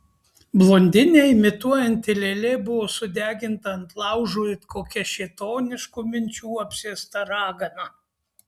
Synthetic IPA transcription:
blˠoːnʲd̪ʲɪnʲɛɪmʲɪt̪uɔjɛnʲt̪ʲɪlʲɛlʲeːbʊʋoːsʊd̪ʲæːɡʲɪnt̪ɐɐnt̪lˠɑˑʊʒuːjɪt̪kʰoːkʲɛʃʲɛt̪oːnʲɪʃkuːmʲɪnʲt͡ʃʲuːɐpʲsʲiːst̪ɐɾɑːɡɐnɐ

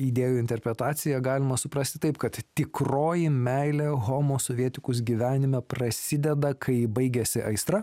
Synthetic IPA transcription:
id̪ʲeːjuɪnʲt̪ʲɛɾʲpʲɾʲɛt̪ɑːt̪sʲɪjɛɡɑːlʲɪmɐsʊpɾɐst̪ʲɪt̪ɐɪpkɐt̪t̪ʲɪkɾoːjɪmʲæɪlʲeːɣoːmoːsoːʋʲiɛt̪ʲɪkʊs̬ɡʲiːʋʲæːnʲɪmʲɛpɾɐsʲɪd̪ʲɛd̪ɐkʰɐɪbɐɪɡʲɛsʲɪʔɐɪst̪ɾɐ

